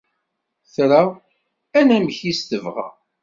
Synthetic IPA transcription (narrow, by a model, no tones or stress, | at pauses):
θɾa | ænæməçist̪əvʁa̰